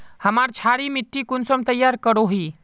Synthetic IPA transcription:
həmaɾt͡ʃʰaɽimiʈːikunsɔmt̪əjːaɾkəɽoɦi

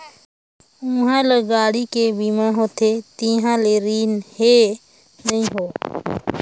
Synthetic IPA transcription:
ʊũːɦãːləɡaːɽikebiːmãːɦoːt̪ʰet̪iːɦãleɾiːnhe | nəɦĩːɦoː

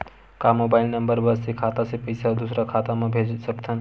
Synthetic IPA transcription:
kamoːbaːɪlnəmbəɾbəssekʰaːt̪asepɐɪsad̪usɾakʰaːt̪amẽbʱeːd͡ʒsəkt̪ʰə̃n

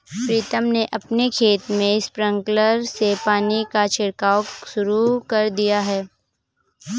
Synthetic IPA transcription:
pɾiːt̪əmneʔɐpnekʰeːt̪mẽɪspɾə̃ŋkləɾsepaːnikat͡ʃɪɽkaːwʃʊɾukɐɾd̪ijaɦɛː

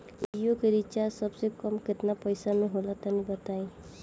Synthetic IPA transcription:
idijokeɾit͡ʃasɔbsekɔmket̪napɔjsaneɦolat̪anibət̪aj

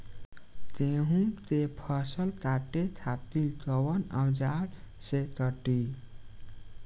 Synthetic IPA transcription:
t̪eɦũt̪epʰəsəlt̪aʈet͡ʃʰat̪it̪ɔwənəwd͡ʒaɽ | set̪əʈi

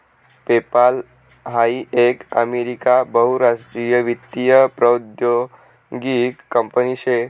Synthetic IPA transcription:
pepal | ɦaiekə̰meɾikabəɦuɾaʂʈɾijəʋit̪ːijəpɾəwd̪jo | ɡikːəmpəniɕe

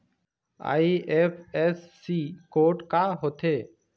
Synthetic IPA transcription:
a̰ːiːʔeːpʰeːsːiːkoːʈkaːɦoːt̪ʰeː

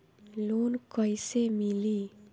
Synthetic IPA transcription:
lonkʌjsemili

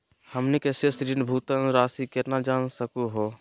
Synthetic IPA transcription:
həmnikesesɾinbʱuːt̪ənɾaːsiket̪nad͡ʒaːnsəkuɦo

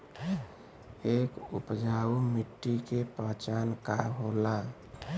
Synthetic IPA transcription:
eːkṵpd͡ʒaumiʈːikepət͡ʃankaɦola

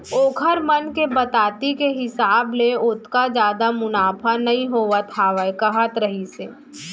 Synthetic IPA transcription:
oːkʰəɾmənkebɐt̪aːt̪ikeɦɪsaːbleʊt̪ʰkad͡ʒjaːd̪amʊnaːpʰanɐɦĩɦoːʋat̪ʰaʋəɛkɐɦət̪ɾəɦiseː

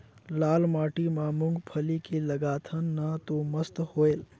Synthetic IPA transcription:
laːlmaːʈimãmʊ̃ŋɡpʰəlikeləɡaːt̪ʰənːat̪oməst̪hoel

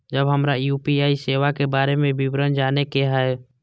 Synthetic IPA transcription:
d͡ʒəbɦəmɾajuːpiaːiseːʋakebaːɾemẽbɪbɾənd͡ʒaːnekeɦɛe

